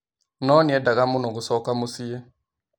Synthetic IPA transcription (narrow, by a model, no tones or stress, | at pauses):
nɔniɛdaɣamʊnɔɣʊsɔkamosie